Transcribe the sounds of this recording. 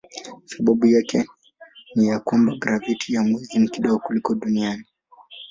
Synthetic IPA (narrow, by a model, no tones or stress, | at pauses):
saɓaɓujakɛ | nijakwambaɡɾavitʰijamwɛzinikiɗɔɡɔkulikɔɗuniani